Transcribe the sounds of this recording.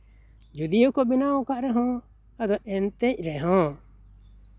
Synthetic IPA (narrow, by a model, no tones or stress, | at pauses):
d͡ʒud̪ijukɔbinawɔ̃kaʔɾɛɦɔ̃ | ad̪ɔʔɛnt̪ɛc̚ˀɾɛɦɔ̃